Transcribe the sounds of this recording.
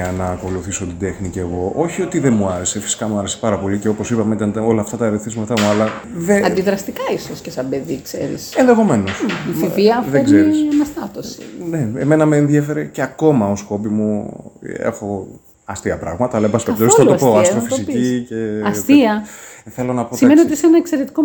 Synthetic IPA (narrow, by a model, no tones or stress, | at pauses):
ɐnɐːko̞luθiso̞t̪id̪e̞xnice̞ɣo̞ʔo̞çio̞t̪iðemuɐɾe̞se̞fi̥si̥kɐmuɐɾe̞se̞̥pɐɾɐpo̞liceo̞po̞sipɐmeot̪ɐno̞lɐːft̪ɐt̪ɐeɾetθizmɐt̪ɐmuɐlɐ | ðeɐnd̪iðɾɐst̪ikɐisoscesɐbeðikseɾḭsenðexo̞me̞nosiviɐðeɡzeɾisnɐst̪ɐt̪osi̥neeme̞nɐmeːnðiefe̞ɾeceɐko̞mɐo̞sko̞pimu | ḛxo̞ | ɐst̪iɐpɾɐ̰ɣmɐt̪ɐlebɐskɐpɐt̪osɐlospoɐst̪ɾofissipice̞ɐst̪iɐθe̞lo̞nɐpotsimeniot̪isenɐekseɾet̪i̥ko